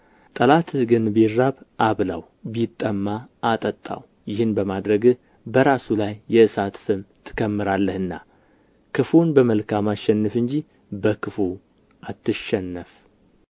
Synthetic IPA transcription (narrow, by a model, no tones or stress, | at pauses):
t̪ʼəlat̪ɡɨnbirːaβʔaβla̰w | bijt̪ʼːəmːaːt̪ʼət̪ʼːa̰w | jɪhɨnbəmad̪ɾəɡɨ | bəɾasulajːɛɨsat̪fɨmt̪ʰɨ̥kʰəmːɨɾalːəhɨnːa | kʰɨfunbəməlkʰamaʃːɛnːɨfɨnd͡ʒi | bəkʰɨfu | ʔat̪ːɨʃːɛnːəf